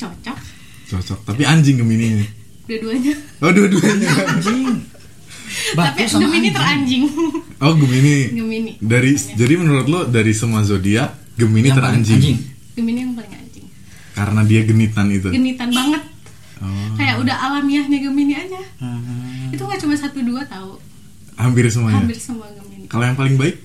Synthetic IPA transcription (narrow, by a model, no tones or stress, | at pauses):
t͡ʃɔt͡ʃɔk̚ | t͡ʃɔt͡ʃɔk̚t̪ap̬iaɲd͡ʒɪŋɡəminiɲa | udaduaɲa | oduaduaɲa | batpiɡəminiəɾaɲd͡ʒɪŋɔɡəminiɡəminidaɾid͡ʒadimənuɾʊt̪̚lodaɾisəmuas̬odia | ɡəminit̪əɾa̰ɲd͡ʒɪŋŋ | ɡ̥əminijaŋpalɪŋa̰ɲd͡ʒɪŋ | kaɾənadiaɡənit̪anit̪uɡənit̪anbaŋət̪̚ | ɔkajaʔudahalamiahɲaɡəminiad͡ʒa | it̪uŋat͡ʃumasat̪uduat̪au | hampɪrsəmuaɲaambɪrsəmuaɡəminikalojaŋpalɪŋbaɪk̚